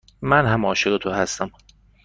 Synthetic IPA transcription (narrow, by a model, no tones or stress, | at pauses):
mænɦæmɒːʃeɣet̪ʰohæst̪æm